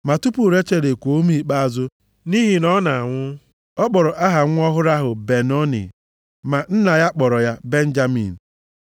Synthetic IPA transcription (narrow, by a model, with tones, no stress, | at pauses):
ma˨tu˦pu˨ɾe˦t͡ʃe˦˨ɾe˨kʷo˨˦mi˦k͡pa˦a˨zʊ˦ | ni˦ɦi˨nɔ˦na˨a˨ŋʷʊ˦ | ɔ˦k͡pɔ˨ɾɔ˨ʔa˦ɦa˨ŋʷʊ˦ɔ˦ɦʊ˦ɾa˦ɦʊ˨be˨nɔ˦nɪ̰˨ | ma˨n̩˦na˨ja˦k͡pɔ˨ɾɔ˨ja˦be˦n̩˦d͡ʒa˦mḭ˨n̩˨